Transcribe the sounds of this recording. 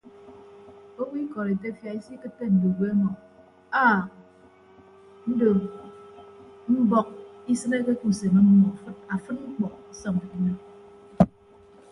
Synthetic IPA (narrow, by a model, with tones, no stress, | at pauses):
o˦wi˦kɔ˨ɾe˨te˦fja˨i˦si˦kɨ˦t̚pe˦n̩˨bo˨ɡe˦mɔ˨ | a˦˨ | n̩˦do˨ | m̩˦bɔ˦k̚i˦sɨ˦ne˦ke˦ku˦˨se˨mə˦m̩˦mɔ˨fɨ˦t̚a˨fɨ˦t̚ŋ͡m̩˦k͡pɔ˨ksɔ˦ŋ˨e˦ne˦